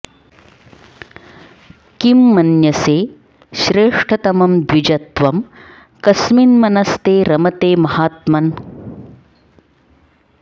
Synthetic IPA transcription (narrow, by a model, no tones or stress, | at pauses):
kimːɐnjɐseː | ʃɾeːʂʈʰɐt̪ɐmɐmd̪ʋid͡ʒɐt̪ʋɐm | kɐsminmɐnɐst̪eːɾɐmɐt̪eːmɐhaːt̪mɐn